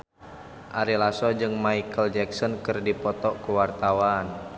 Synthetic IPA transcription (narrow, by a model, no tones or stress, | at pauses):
ʔaɾilasɔd͡ʒɨŋmaikəld͡ʒɛksɔnkərdipɔt̪ɔkuwart̪awaːn